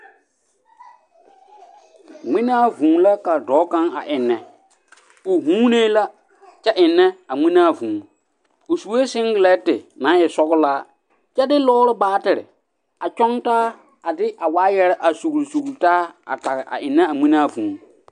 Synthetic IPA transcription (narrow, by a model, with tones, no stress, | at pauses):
ŋ͡mɪ˦na˦vũː˨la˦ka˨dɔː˨˦kã˦ŋa̰˨ʔɪ˨nːɛ˨ | ʊ˨ɦũː˦ne˦la˦ | t͡ʃɛ˦ʔɪ˨nːɛ˦a˨ŋ͡mi˦naː˦˨vũː˨ | ʊ˨su˨we˦sɪ˦ŋɡɪ˨lɛ˦tɪ˨nã˨˦ɛ˨sɔ˦ɣʊ˦laː˦ | t͡ʃɛ˦dɪ˦lɔː˦ɾɪ˦baː˦tɪ˨ɾɪ̰˨ | a˨t͡ʃɔ˦ŋtaː˦ | a˨dɪ˦ʔa˨waː˦jɛ˦ɾɛ˦ʔa˨su˨ɣɾsu˨ɣɾtaː˦a̰˨ta˨ɣɪ˨ʔa̰˨ʔɪ˨nːɛ˦a˨ŋ͡mi˦naː˦vũː˨